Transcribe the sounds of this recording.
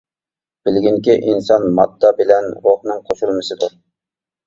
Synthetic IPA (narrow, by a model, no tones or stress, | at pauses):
b̥ɪlɡʲinkʲiʔinsɑnmɑt̪ʰːɑbɪlɛnɾoχnɨŋqʰoʃulˠmɨsɨd̪ʊɾ